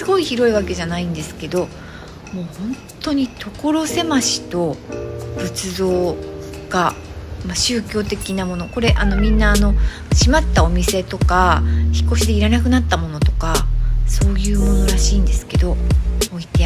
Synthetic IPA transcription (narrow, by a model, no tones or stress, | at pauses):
ɨɡo̞içiɾo̞iβake̞ʑanaĩnd̪e̞sɨ̥ke̞d̪o̞ | mo̞ːhõ̞nt̪o̞ɲ̟it̪ʰo̞ko̞ɾo̞se̞maɕi̥t̪o̞bɯ̟t͡sɨzo̞ː | ɡ̥a | maɕɨːkʲo̞ːt̪e̞kʲinamo̞no̞ko̞ɾe̞ʔano̞mʲĩnːaːno̞ | ɕimat̪ːao̞mʲise̞t̪o̞kaçi̥kːo̞ɕid̪e̞iɾanakɯ̟nat̪ːamo̞no̞t̪o̞kaso̞ːjɯ̟ːmo̞no̞ɾaɕiːnd̪e̞sɨ̥ke̞d̪o̞oit̪e